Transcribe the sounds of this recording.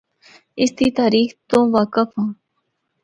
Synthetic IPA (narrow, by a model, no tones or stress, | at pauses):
ɪst̪iːt̪aːɾiːxt̪õːʋaːkəfɦãː